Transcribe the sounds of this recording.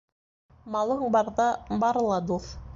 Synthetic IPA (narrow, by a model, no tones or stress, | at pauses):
mɑlˠɤɴbɑɾðɑbɑɾɤ̆lˠɑd̪uθ